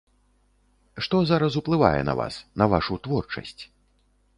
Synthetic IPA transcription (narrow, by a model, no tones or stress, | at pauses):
ʂt̪ɔzaɾɐsuplˠɨva̰jɛ̰nɐ̰va̰snɐvaʂut̪vɔrt͡ʂɐ̰sʲt͡sʲ